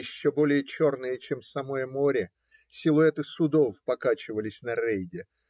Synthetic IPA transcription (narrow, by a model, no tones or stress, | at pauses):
ɪɕːobo̞lʲɪjət͡ɕo̞rnɨjət͡ɕemsɐmo̞jəmo̞ɾʲɪ | sʲilˠʊɛt̪ɨsʊd̪o̞fpɐkat͡ɕɪvəlʲɪsʲnɐrejdʲɪ